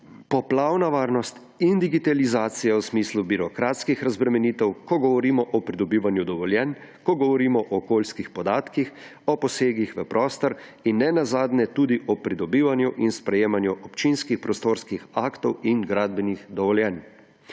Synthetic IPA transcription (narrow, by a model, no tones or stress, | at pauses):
pɔplawnaʋaːɾnɔst̪ | ind̪iɡit̪alizaːt̪sijawsmiːslubiɾɔkɾaːt̪skixɾazbɾɛmɛniːt̪ɛwkɔɡɔʋɔɾiːmɔʔɔpɾid̪ɔbiːʋanjud̪ɔʋɔljɛn | kɔɡɔʋɔɾiːmɔʔɔːkoːlskixpɔd̪aːt̪kix | ɔpɔseːɡixʋəpɾʔɔːst̪ɔɾinːɛnazaːd̪nɛt̪ud̪iʔɔpɾid̪ɔbiːʋanjuʔinspɾɛjeːmanjuʔɔpt͡ʃinskixpɾɔst̪oɾskixaːkt̪ɔwinɡɾaːd̪̚bɛnixd̪ɔʋɔljɛn